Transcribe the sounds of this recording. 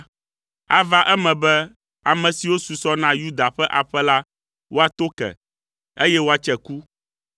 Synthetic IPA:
a̰˦va˦ʔɛ˦mɛ̃˨bɛ˦ | a˨mɛ̃˨si˨wo˦su˨sɔ˦nã˦ju˦d̪a˨ɸɛ˦ʔa˨ɸɛ˦la˦ | wo˦a˨t̪o˦kɛ̰˨ | e˦jɛ˦wo˦a˨t͡ʃɛ˨ku˦

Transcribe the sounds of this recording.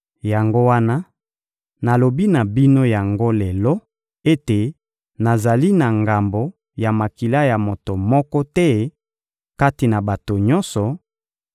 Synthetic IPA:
ja˨ŋɡo˦wa˦na˦ | na˨lo˨bi˦na˨bi˦no˦ja˨ŋɡo˦lɛ˨lɔ˦ | e˦te˨ | na˨za˨li˦na˨ŋɡa˨mbo˨ | ja˨ma˨ki˨la˦ja˨mo˨to˨mɔ˦kɔ˦tɛ˦ | ka˦ti˨na˨ba˨to˨ɲɔ˦nsɔ˨

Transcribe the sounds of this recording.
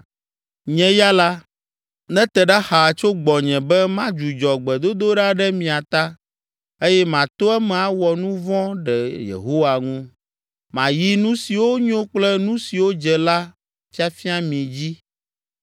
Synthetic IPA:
ɲɛ̃˦ja˦la˦ | nɛ̃˦t̪ɛ˨ɖa˦xa˨t͡ʃo˦ɡ͡bɔ˨ɲɛ̃˨bɛ˦mã˦d͡ʒu˨d͡ʒɔ˨ɡ͡bɛ˨d̪o˦d̪o˦ɖa˦ɖɛ˦mĩ˨a˨t̪a˦ | e˦jɛ˦mã˨t̪o˦ɛ˦mɛ̃˨a˦wɔ˨nũ˦vɔ̃˦ɖɛ˨jḛ˨ɦo˦wa˨ŋũ˦ | mã˨ji˦nũ˦si˨wo˦ɲõ˦k͡plɛ˦nũ˦si˨wo˦d͡ʒɛ˨la˦ | fi˦a˦fi˦a˦mĩ˨d͡ʑi˦

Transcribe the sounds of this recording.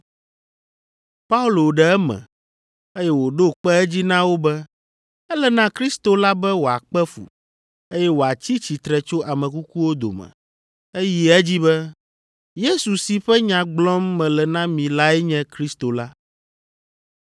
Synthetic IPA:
pa˦u˦lo˨ɖɛ˨ɛ˦mɛ̰̃˨ | e˦jɛ˦wo˨ɖo˦k͡pɛ˦ɛ˦d͡ʑi˦nã˦wo˦bɛ˦ | ɛ˦lɛ˨nã˦kɾi˦st̪o˨la˦bɛ˦wo˨a̰˨k͡pɛ˦fṵ˨ | e˦jɛ˦wo˨a˨t͡ɕi˦t͡ɕi˨t̪ɾɛ˨t͡ʃo˦ʔa˨mɛ̃˨ku˦ku˦wo˦d̪o̰˨mɛ̰̃˨ | e˦ji˦ɛ˦d͡ʑi˦bɛ˦ | je˦su˨si˨ɸɛ˦ɲã˨ɡ͡blɔ̃˦mːɛ̃˨lɛ˨nã˦mĩ˨la˦ɛ˦ɲɛ̃˦kɾi˦st̪o˨la˦

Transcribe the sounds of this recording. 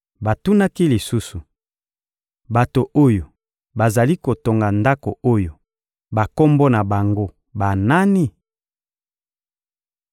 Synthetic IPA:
ba˨tu˦na˦ki˦li˨su˦su˨ | ba˨to˨ʔo˦jo˨ | ba˨za˨li˦ko˨to˨ŋɡa˨nda˦ko˨o˦jo˨ | ba˨ko˦mbo˦na˨ba˨ŋɡo˦ | ba˨na˦ni˦

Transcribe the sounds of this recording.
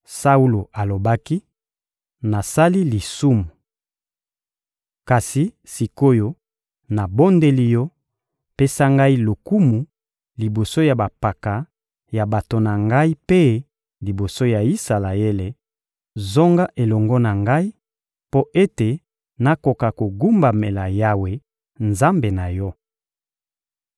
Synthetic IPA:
sa˦u˦lo˨a˨lo˨ba˦ki˦ | na˨sa˦li˦li˨su˦mu˨ | ka˨si˨ | si˨ko˦jo˦ | na˨bo˦nde˦li˦jɔ˦ | pe˦sa˦ŋɡa˦i˦lo˨ku˦mu˨ | li˨bo˨so˦ja˨ba˨pa˨ka˨ | ja˨ba˨to˨na˨ŋɡa˦i˦pe˦ | li˨bo˨so˦ja˨i˦sa˨la˨e˦le˨ | zo˦ŋɡa˦ʔe˨lɔ˨ŋɡɔ˦na˨ŋɡa˦i˦ | po˦ʔe˦te˨ | na˦ko˨ka˨ko˨ɡu˦mba˨me˨la˨ja˦we˨ | nza˦mbe˨na˨jɔ˦

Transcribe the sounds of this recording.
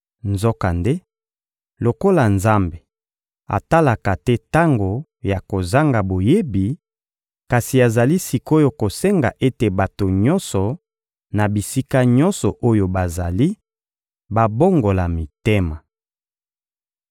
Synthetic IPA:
nzo˦ka˨nde˦ | lo˨ko˦la˨nza˦mbe˨ | a̰˨ta˦la˨ka˨tɛ˦ta˦ŋɡo˨ | ja˨ko˨za˦ŋɡa˨bo˨je˦bi˨ | ka˨si˨a˨za˨li˦si˨ko˦jo˨ko˨sɛ˦ŋɡa̰˨ʔe˦te˨ba˨to˨ɲɔ˦nsɔ˨ | na˨bi˨si˦ka˦ɲɔ˦nsɔ˨ʔo˦jo˨ba˨za˨li˦ | ba˨bo˦ŋɡo˨la˨mi˨te˦ma˨

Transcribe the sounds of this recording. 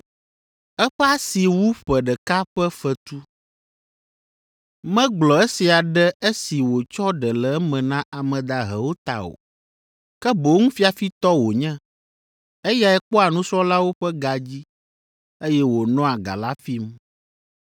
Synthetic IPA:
ɛ˦ɸɛ˦a˦si˨wu˦ɸɛ˨ɖɛ˨ka˦ɸɛ˦fɛ˨t̪u˦ | mɛ̃˦ɡ͡blɔ˨ɛ˦si˨a˨ɖɛ˦e˦si˨wo˨t͡ʃɔ˦ɖɛ˨lɛ˨ɛ˦mɛ̃˨nã˦ʔa˨mɛ̃˨d̪a˨ɦɛ̰˨wo˦t̪a̰˨o̰˨ | kɛ˦bo˨˦ŋũ˦fi˦a˨fi˦t̪ɔ˦wo˨ɲɛ̃˦ | e˦ja˨ɛ˦k͡pɔ˦a˨nũ˦sɔ˦la˦wo˦ɸɛ˦ɡa˨d͡ʑi˦ | e˦jɛ˦wo˨nɔ̃˦a˨ɡa̰˨la˦fi˦m

